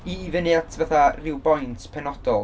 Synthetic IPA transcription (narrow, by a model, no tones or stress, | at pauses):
iːvənɨatʰvaθarɪwbɔjntʰpʰɛnɔd̥ɔlˠ